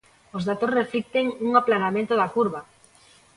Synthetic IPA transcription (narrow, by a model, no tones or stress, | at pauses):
ozðat̪osreflik̚t̪eŋuŋaplanamẽnt̪oðakuɾβa